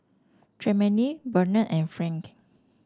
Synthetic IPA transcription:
tʰɹɛmənibənəʔɛ̃nfɹɛ̃ŋk

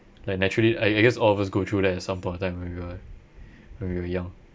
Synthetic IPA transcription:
laɪk̚nɛt͡ʃɹəliʔaɪaɪɡɛsɔlɔfasɡotʰɹudɛtɛtsãmpɔ̃j̃nɔtãɪ̃mwɛ̃nwiwə | wɛ̃nwiwəjãŋ

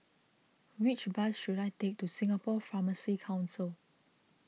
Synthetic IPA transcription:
wit͡ʃbasʃudaɪtek̚tusĩŋapɔfaməsikʰãʊ̃nsəl

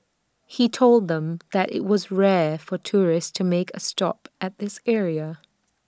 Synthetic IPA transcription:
hitʰoʊlˠd̪̚ðə̃mðɨɾʔɪ̰ʔ̚wʌzɹɛɹfə˞tʰʊɹɪststʰɨmeɪkʰɨstɑ̰pɨt̪̚ðɪsɛɹiɨ

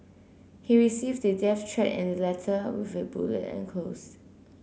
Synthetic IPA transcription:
hiɹisivdədɛftʰɹɛtɪ̰̃nəlɛtʰəwɪ̰vɪbṵlə̰tɛ̰̃nkʰlos

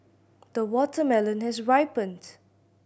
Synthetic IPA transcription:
d̥əwɔtʰəmɛlə̃nhɛsɹaɪpə̃nd

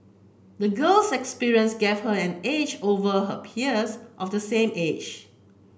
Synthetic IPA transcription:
dəɡəlsɛkspiɹiə̃nsɡev̥həɛ̃ned͡ʒovəɦə̰pʰiəsʔɔfdəsẽmed͡ʒ

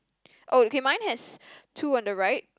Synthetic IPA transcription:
ʔookʰemãɪ̃nhɛstʰuʌ̃ndəɹaɪt̚

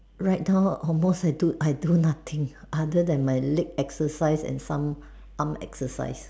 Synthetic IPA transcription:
ɹaɪt̚naʊɔlmostajduʔajdunat̪ʰɪ̃ŋ | ʔadədɛ̃nmaɪlɪk̚ɛksəsaɪsɛ̰̃nsãm | ʔãmɛ̰ksəsa̰ɪs

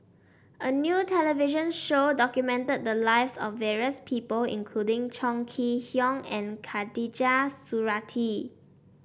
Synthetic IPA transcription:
ʔənjutʰɛləviʒə̃nʃodɔkjumɛ̃ntəd̚dəlaɪvsɔfːɛɹiəspʰipəlɪ̰̃nkʰludɪ̃ŋt͡ʃɔ̃ŋkʰihjɔ̃ŋɛ̃nkʰadid͡ʒasuɹatʰi

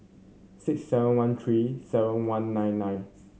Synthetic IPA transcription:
sɪksːɛvə̃nwãnt̪ʰɹisɛvə̃nwãnːãj̃nːãj̃n

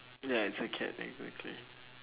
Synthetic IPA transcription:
jaɪtsɨkʰɛ̰tɛ̰ɡzæ̰k̚tʰli

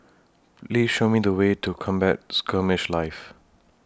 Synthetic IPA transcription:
pliːsʃomidəwetʰukʰɔ̃mbɛ̰t̚skʰəmɪʃlaɪf

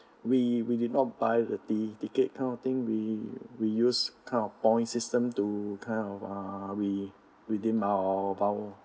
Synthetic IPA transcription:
wiwidid̚nɔt̚bajdətitiket̚kʰãnɔt̪ĩŋwiwijuskʰãɪ̃nɔfpɔ̃ɪ̃nsistə̃mtukʰãɪnɔfawi | widĩmavaw

